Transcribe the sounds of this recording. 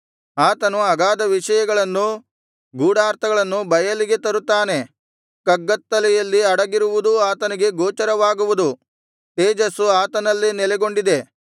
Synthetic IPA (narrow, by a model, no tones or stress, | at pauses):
aːt̪ɐnuɐɡaːd̪ɐʋiʂɐjɐɡɐɭɐnːu | ɡuːɽaːɾt̪ʰɐɡɐɭɐnːubɐjɐliɡe̞t̪ɐɾut̪ːaːne̞ | kɐɡːɐt̪ːɐlɛjɐlːiɐɽɐɡiɾuʋud̪uaːt̪ɐniɡe̞ɡoːt͡ʃɐɾɐʋaːɡuʋud̪u | ʈ̪eːd͡ʒɐsuaːt̪ɐnɐlːinɛlɛɡo̞ɳɖid̪e̞